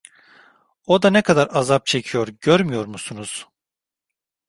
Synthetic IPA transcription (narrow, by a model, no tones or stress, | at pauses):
o̞d̪anɛkʰad̪aɾazap̚t͡ʃʰe̞cʰijo̞ɾɟøɾmyjo̞ɾmusunuz̥